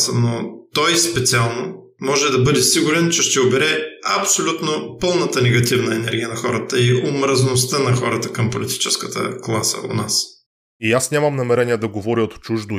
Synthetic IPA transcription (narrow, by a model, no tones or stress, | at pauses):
sənot̪ɔjspɛt̪sialˠno | mɔʒɛd̪ɐbɤd̪ɛsiɡʊɾɛnt͡ʃɛʃt̪ɛobɛɾɛɐ̰psolʲut̪nopɤlˠnət̪ənɛɡɐt̪ivnɐɛnɛ̰ɾɡʲijənɐxɔɾət̪əiʔomɾəznost̪ənɐxɔɾət̪əkɐmpolit̪i̥t͡ʃɛskət̪ə̰klˠasə̰o̰nas | iasnʲamɐmnɐmɛɾɛniɛd̪ɐɡovɔɾiot̪t͡ʃuʒd̪ʊ